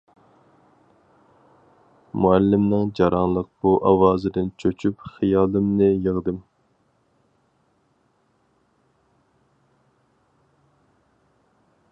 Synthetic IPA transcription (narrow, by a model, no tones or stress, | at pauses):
muælːɪmnɨŋd͡ʒɑɾɑnlˠəq̚b̥uʔɑwɑːzɨd̪ɨnt͡ʃʰøt͡ʃʰypχijɑːlˠɨmnɨjəʁd̪ɨm